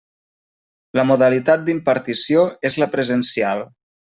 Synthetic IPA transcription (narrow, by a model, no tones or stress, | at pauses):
ləmuðəlit̪at̪̚d̪impəɾt̪isioezləpɾəzənsialˠ